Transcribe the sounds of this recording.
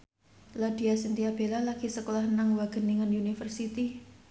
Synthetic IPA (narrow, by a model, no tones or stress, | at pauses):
lɔdiasint̪iab̥elalaɡ̥isəkolahnaŋwaɡ̥ə̤nːiŋənunifərsit̪i